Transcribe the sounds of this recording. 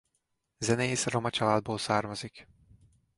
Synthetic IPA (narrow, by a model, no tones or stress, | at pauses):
zɛnɛjisɾomat͡ʃʰalaːd̪̚boːlˠsaɾmazik